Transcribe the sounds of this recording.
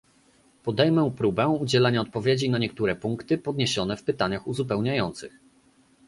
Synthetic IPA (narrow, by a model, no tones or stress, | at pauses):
pɔd̪ɛjmɛpɾubɛud͡ʑɛlɛɲaɔt̪̚pɔvʲjed͡ʑinaɲɛk̚t̪uɾɛpuŋkt̪ɘpɔd̪ɲeɕɔnɛfpɘt̪aɲaxuzupɛwɲajɔnt̪sɘx